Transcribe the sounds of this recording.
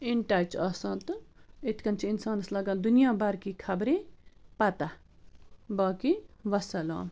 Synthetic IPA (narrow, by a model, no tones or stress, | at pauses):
iɳʈaːt͡ʃɐsãːt̪et̪ʰkɐnt͡ʃʰiinsaːnɐslɐɡãːd̪unjãːbaɾkikʰɐbɾepɐt̪a | baːkiʋɐsɐla̰ːn